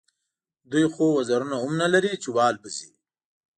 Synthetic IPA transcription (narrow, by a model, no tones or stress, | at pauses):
d̪ujxowazaɾunaʊmnalaɾit͡ʃewɑːlbəzi